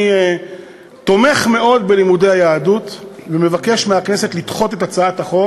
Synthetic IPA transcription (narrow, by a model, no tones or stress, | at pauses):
t̪o̞me̞χme̞o̞d̪belimudejajaːdut̪veme̞vake̞ʃmeakne̞se̞t̪lit̪χo̞t̪e̞t̪at͡saat̪aχo̞